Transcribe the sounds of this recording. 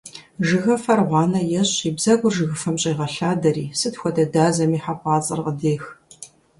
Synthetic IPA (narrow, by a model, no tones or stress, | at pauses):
ʒɨɣɐfɐrʁʷɑːnɐjɛɕiːbzɐɡʷʊrʒɨɣɨfɐmɕʼiːʁɐɬaːdɐɾiːsɨtxʷɔdɐdaːzɐmiːħapʰʼɑːt͡sʼɐrqədeːx